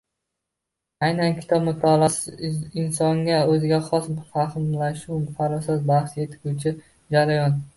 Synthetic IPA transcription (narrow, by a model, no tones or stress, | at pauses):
ajnankʲʰɪ̥t̪ʰɒbmʊt̪ʰːalˠasɪnsɒŋɡʲaɵzɪɡʲaχɒsmfahmlaʃuwmfaɾɒsazbahʃjet̪ʰɪkut͡ʃʰɪ | d͡ʒaɾajɒn